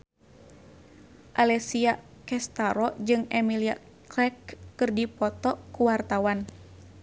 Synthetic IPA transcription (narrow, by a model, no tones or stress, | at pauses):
ʔalɛsia | kɛst̪aɾɔd͡ʒɨŋɛmilia̰ | klɛkːɨrdipɔt̪ɔkuwart̪awan